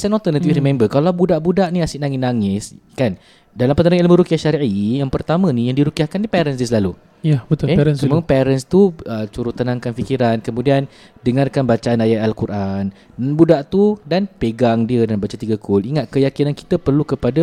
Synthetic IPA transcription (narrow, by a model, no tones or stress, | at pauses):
sanɔlt̪ərnat̪ifrimɛ̃mbərkalawbudaʔbudaʔniasɪʔnaŋinaŋɪskan | dalampət̪əɾaŋelməɾukiahʃaɾiʔijaŋpərt̪amə̃nijaŋdiɾukiahkannipɛɾəns̬diəsəlalu | jabət̪ʊeɾənsəmapɛɾənst̪uət͡ʃuɾut̪ːənãŋkanfikiɾankəmũdian | dəŋarkanbat͡ʃaanajat̪alkurʔan | budaʔt̪udanpeɡaŋdiədalmbat͡ʃat̪iɡakʰʊliŋat̪̚kəjakinanki̥t̪əpərlukəpada